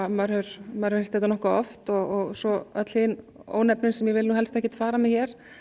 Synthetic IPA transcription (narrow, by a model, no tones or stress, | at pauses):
maɾʏɾ̥maɾʏɾhɛ̥t̪θɛht̪anɔhkaɔ̰ft̪ɔɣɔɣsɔœt̪l̥hɪno̰ːwnɛpnɪnsɛmjɛvɪlnuːɦɛlst̪ɛhcɪt̪faːɾamɪðçjɛɾ̥